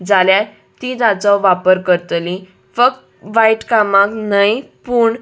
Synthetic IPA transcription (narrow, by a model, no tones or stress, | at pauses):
d͡zalja | t̪id̪at͡sɔʋapəɾkəɾt̪li | fək̚t̪ | ʋajʈkamãknajpuːɳ